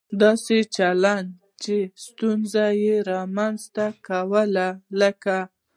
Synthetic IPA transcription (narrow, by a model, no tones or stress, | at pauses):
d̪ɑset͡ʃaland̪ | t͡ʃest̪unzajeɾɑmanzt̪akawəlaləka